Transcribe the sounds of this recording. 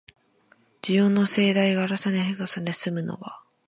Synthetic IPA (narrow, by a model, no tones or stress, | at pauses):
d͡ʑijoːnːo̞se̞ːd̪aiɡaːɾasaneɦeɡasanesɨmɯ̟no̞̰βa